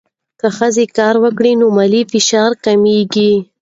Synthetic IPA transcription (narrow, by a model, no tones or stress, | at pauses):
kəxəzekɑɾwəkɽinomalifɪʃɑɾkameɡi